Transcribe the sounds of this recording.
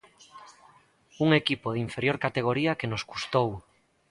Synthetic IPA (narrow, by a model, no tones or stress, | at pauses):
uŋekipoðiɱfeɾjoɾkat̪eɣ̞oɾiɐkenoskust̪ow